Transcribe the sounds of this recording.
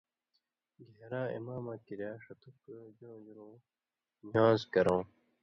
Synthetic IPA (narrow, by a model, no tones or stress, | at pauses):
ɡeɦɾãːḭmaːmãːkiɾjaːʂɐt̪ukːd͡ʑõːd͡ʑuɾõː | nãːzkɐɾõː